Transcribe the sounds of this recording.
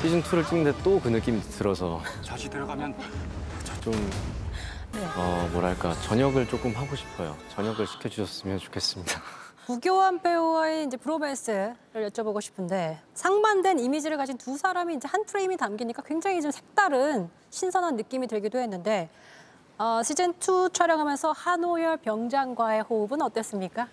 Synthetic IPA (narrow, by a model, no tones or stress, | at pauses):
pʰid͡ʑɯntʰuɾɯɭt͡ɕ͈iŋndet͈okɯnɯk͈imitɯɾʌsʰʌ̰t͡ɕaɕitɯɾʌɡamjʌnt͡ɕʌt͡ɕom | neʌmoɾɦaɭk͈a̰t͡ɕʌɲʌɡɯɭt͡ɕ͈ok͈ɯmɦaɡoɕʰi̥pʰʌjo̰t͡ɕʌɲʌɡɯɭɕʰi̥kʰjed͡ʑuɕʰʌs͈ɯmjʌnt͡ɕo̥kʰe̞s͈ɯmɲid̥apuɡjoɦanpʰe̞oaeind͡ʑe̞pʰɯɾobes͈ʰɯɾɯɭjʌt͡ɕ͈ʰʌboɡoɕʰi̥pʰɯnde̞sʰaŋmandwe̞nimid͡ʑiɾɯɭkad͡ʑʰintusʰaɾamiːnd͡ʑe̞hanpʰɯɾeimitamɡiɲik͈akwe̞ŋd͡ʑaŋid͡ʑomsʰe̞k̚t͈aɾɯn | ɕʰinsʰʌnɦanːɯk͈imitɯɭɡidoɦe̞nːɯnde̞ | ʌɕʰid͡ʑentʰut͡ɕʰʌɾjʌŋɦamjʌnsʰʌhanojʌɭpjʌŋd͡ʑaŋɡwae̞houbɯnʌt͈ʌs͈ɯmɲik͈a